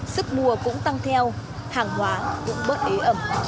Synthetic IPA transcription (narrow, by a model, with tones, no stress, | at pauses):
sɨ˦˥k̚mu˨˩əkʊ̰˧˥ŋ͡mt̪a˧ŋt̪ʰɛ˧whaː˨˩ŋhwaː˨˦kʊ̰˧˥ŋ͡mɓə˦˥t̚ʔe˨˦ʔə˧˩m